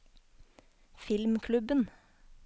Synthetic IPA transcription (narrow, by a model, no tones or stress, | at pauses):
fɪlmkʰlʉbən